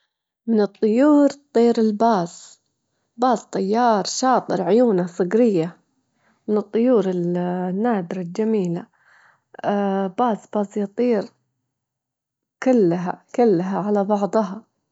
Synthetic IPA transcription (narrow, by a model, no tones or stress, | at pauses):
mɪnɨt̪ˤːʊjuːɾt̪ˤːiːɾɪlbaːz | baːzt̪ˤɑjːɑːɾˤʃɑːt̪ˤɨɾʕʊjuːnasˤɨɡɾɪjːa | mɪnɨt̪ˤːʊjuːɾɪlnːaːd̪ɪɾald͡ʒamiːla | baːzbɑːzjɑt̪ˤiːɾ | kʊlːɦa̰kʊlːɦaʕalabɑʕd̪ˤɦɑ